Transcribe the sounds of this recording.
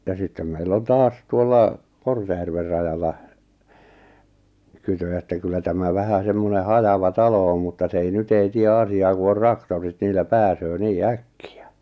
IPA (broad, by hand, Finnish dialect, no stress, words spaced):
jɑ sitːem meilː on tɑːs tuolːɑ kortejærʋer rɑjɑlːɑ kytø etːæ kylːæ tæmæ ʋæhæ semːone hɑjɑʋɑ tɑlo om mutːɑ s ei nyt ei tie ɑsiɑː ku or rɑktorit niːlˑæ pæːsøː niː ækːiæ